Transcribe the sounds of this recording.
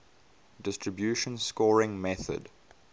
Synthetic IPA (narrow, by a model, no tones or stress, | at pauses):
dɪstʰɹəbjuːʃə̃nskɔːɹɪ̃ŋmɛθə̰d